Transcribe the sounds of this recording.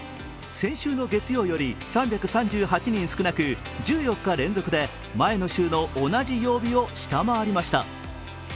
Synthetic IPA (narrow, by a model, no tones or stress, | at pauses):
sẽ̞ɰ̃ɕɨːno̞ɡe̞t͡sɨjo̞ːjo̞ɾʲisãmbʲakɯ̟sãɲ̟d͡ʑɨːɦat͡ɕiɲ̟ĩɰ̃sɨ̥kɯ̟nakɯ̟ | d͡ʑɨːjo̞kːaɾẽ̞nd͡zo̞kɯ̟d̪e̞ | mae̞no̞ɕɨːno̞ʔːnaʑijo̞ːbʲio̞ɕi̥t̪amaaɾʲimaɕi̥t̪a̰